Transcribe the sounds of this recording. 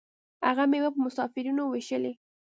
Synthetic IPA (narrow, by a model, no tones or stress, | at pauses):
haɣamewapəmʊsɑfɪɾunoweʃəle